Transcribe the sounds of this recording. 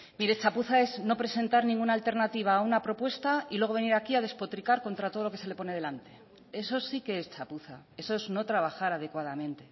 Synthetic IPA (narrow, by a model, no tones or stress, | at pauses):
miɾet͡ʃapuθae̞zno̞pɾe̞se̞nt̪aɾnĩŋɡunaːlt̪e̞ɾnat̪iβ̞aːunapɾo̞pwe̞st̪ailweɣo̞βe̞niɾakiað̞e̞spo̞t̪ɾikaɾko̞nt̪ɾat̪o̞ð̞olo̞kese̞lepo̞neð̞e̞lant̪e̞ | e̞so̞sike̞est͡ʃapuθa | e̞so̞ezno̞t̪ɾaβ̞axaɾað̞e̞kwað̞amẽ̞nt̪e̞